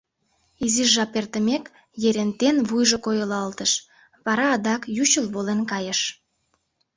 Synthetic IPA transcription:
iziʒːɑpert̪əmek | jeɾent̪enβujʒokojəlɑlt̪əʃ | βɑɾɑːd̪ɑkjuɕəlβolenkɑjəʃ

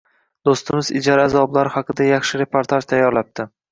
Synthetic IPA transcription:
d̪̥ost̪ɪmɪzɪ̰d͡ʒaɾazɒblaɾhɑqʰɨd̪ajɑχʃɪɾe̞pʰoɾt̪ʰaʒt̪ʰajːɒɾlap̚t̪ʰɪ

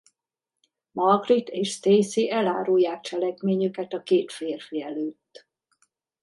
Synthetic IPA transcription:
mɒɡrit̪eːʃst̪eːsiʔɛla̰ːɾujːaːk̚t͡ʃɛlɛkmeːɲykɛt̪ɒkeːt̪feːrfiɛløːt̪ː

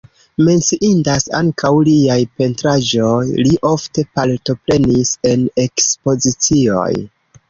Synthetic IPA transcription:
me̞nt͡siʔindasa̰ŋkʰawliajpe̞ntɾad͡ʒo̞jliʔo̞fte̞palto̞pɾe̞nise̞ne̞kspo̞zit͡sio̞̰j

